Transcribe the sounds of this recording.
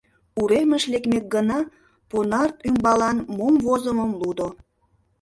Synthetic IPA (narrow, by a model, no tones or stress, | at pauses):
uɾeməʃlekmek̚ɡənɑ | ponɑrt̪ymbɑlɑnmomvozəməmlud̪o